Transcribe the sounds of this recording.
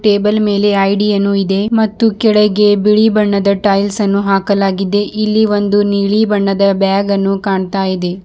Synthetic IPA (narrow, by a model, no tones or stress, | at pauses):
ʈeːbɐlme̞ːle̞ɐjɖijɐnːuid̪e̞mɐt̪ːukɛɭeɡe̞biɭibɐɳːɐd̪ɐʈɐjlsɐnːuɦaːkɐlaːɡid̪e̞ʔilːiʋo̞nd̪uniːɭibɐɳːɐd̪ɐbaːɡɐnːukaːɳt̪aːjid̪e̞